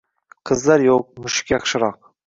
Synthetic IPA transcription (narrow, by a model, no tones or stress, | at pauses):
qʰəzlɑɾjoq̚mʊʃɪ̥kʲjɑχʃɨɾɑq̚